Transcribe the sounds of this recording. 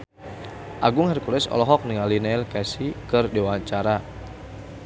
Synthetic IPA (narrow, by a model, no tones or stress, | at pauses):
ʔaɡʊŋhɛrkulɛsɔ̰lɔɦɔk̚niŋalinaɛlkɛsikərdewaɲt͡ʃaɾa